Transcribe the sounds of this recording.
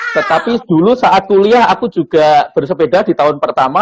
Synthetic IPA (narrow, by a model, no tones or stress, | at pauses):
t̪ət̪apid̥ulusaʔat̪̚kuliaɦakud͡ʒuɡ̥ab̥ərsəbedahdit̪aɦʊnpərt̪ama